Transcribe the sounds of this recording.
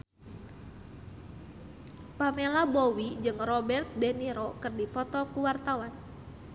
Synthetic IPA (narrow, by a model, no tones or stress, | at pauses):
pamelabowid͡ʒɨŋrɔbɛrt̪̚deniɾɔkɨrdipɔt̪ɔkuwart̪awan